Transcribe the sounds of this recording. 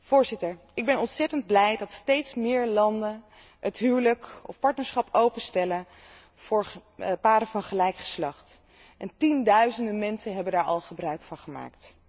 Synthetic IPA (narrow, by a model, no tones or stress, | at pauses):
v̥ʊːɹzɪtəɹ | ɪɡ̚bɛnɔntsɛtənd̚blɛjdɑtstejtsmɪːɹlɑndən | ətɦyːwləkɔ̰fpɑɹtnəɹsχɑpowpəstɛlən | v̥ʊːɹpaːɾəvɑnχəlɛjkχə̥slɑχt | ʔɛntindœɥzəndəmɛnsənɦɛbəndaːɹʔɑ̰lˠχəbrœɥkfɑnχəma̰ːkt